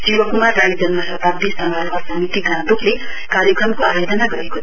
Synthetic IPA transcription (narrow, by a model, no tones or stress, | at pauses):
sibʌkumarːajd͡zʌnmasʌt̪ab̚d̪isʌŋʱaɾmasʌmit̪iɡãd̪okle | kaɾjʌkrʌmkoajod̪ʌnaɡʌɾeko